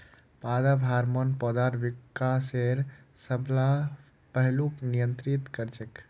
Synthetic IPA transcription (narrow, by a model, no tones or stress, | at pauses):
pad̪abʱaɾmənpɔd̪aɾbikːaseɾsəbʱla | pəɦluknijənt̪ɾit̪kəɾt͡ʃek